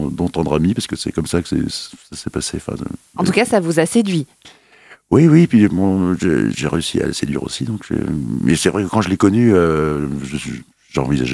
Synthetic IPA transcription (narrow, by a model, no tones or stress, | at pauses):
d̪ɑ̃t̪ɑ̃d̪ʁamipaʁskəsɛ̰kɔmsakə̥sɛ̰sasɛpaseɑ̃fɛ̰̃ | ɑ̃tt̪ukasavuzased̪ɥi | wiwipɥibɔ̃ʒḛʒeʁeysia̰lsed̪ɥḭʁo̰sid̪ɔ̃kʒḛmʔɛsɛvʁɛkəkɑ̃ʒəlekɔnyøʒəs | ʒeɑ̃viza̰ʒe